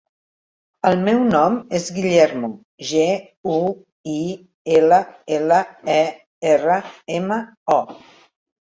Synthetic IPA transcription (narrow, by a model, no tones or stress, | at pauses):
əlˠmɛwnɔmezɡiʎɛɾmu | ʒe | u | i | eləeləɛ | erəemə | ɔ